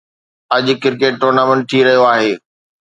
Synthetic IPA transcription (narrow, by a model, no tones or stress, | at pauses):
ɐd͡ʑ̆kɪɾkeːʈːoːɾnaːmɛ̃ɳʈ̚tʰiɾɐɦijoaːɦeː